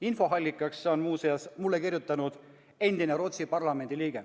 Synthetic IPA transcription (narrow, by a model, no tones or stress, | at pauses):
info̞ɦɑlʲːikːˑɑksːeo̞nmuːseɑsmulːekirjut̪ːˑɑnud̪̥ | e̞nd̪̥ineɾo̞t̪sipɑrlɑme̞nd̪̥iliːɡ̥e